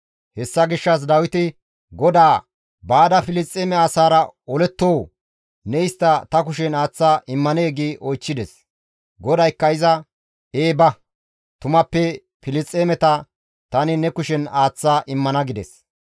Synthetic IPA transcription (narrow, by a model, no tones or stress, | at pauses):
hɛsːɐɡɪʃːɐs̬d̪ɐwɪt̪ɪ | ɡɔd̪aː | baːd̪ɐfɪlɪst͡sʼːeːmɛaːsaːɾɐɔlɛt̪ːoː | nɛɪst̪ːɐt̪ɐkʊʃɛnaːt͡sːaːʔɪmːɐneːɡiːʔɔjt͡ʃːɪd̪ɛs | ɡɔd̪ɐjkːɐɪzɐ | eːbɐ | t̪ʊmɐpːɛ | fɪlɪst͡sʼːeːmɛt̪ɐ | t̪ɐnɪnɛkʊʃɛnaːt͡sːaːʔɪmːɐnɐɡɪd̪ɛ̰s